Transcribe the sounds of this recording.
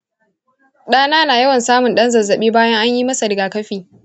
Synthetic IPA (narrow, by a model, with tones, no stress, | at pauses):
ɗaː˦naː˦naː˨jɐ˦wɐ˨nsaː˦mʊ˨nɗɐ˦nzɐ˨zːɐ˨ɓiː˦baː˦jɐ˦ŋʔa˦ɲjiː˦mɐ˦sɐ˨dɡaː˨kɐ˦ɸiː˨